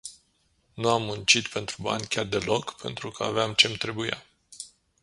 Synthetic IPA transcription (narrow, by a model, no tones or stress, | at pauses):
nuamːunt͡ʃit̪pe̞nt̪ɾuba̰nʲkʲard̪e̞lo̞kpe̞̰nt̪ɾukəa̰veamt͡ʃe̞mt̪ɾe̞buja̰